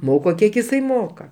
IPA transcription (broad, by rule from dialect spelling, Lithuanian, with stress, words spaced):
ˈmoːkoː ˈkʲiɛk ɪˈsɐɪ ˈmoːkɐ